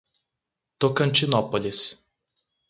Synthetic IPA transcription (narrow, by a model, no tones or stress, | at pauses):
t̪ɔkɐnʲt͡ʃʲɪnɔpɔlʲɪs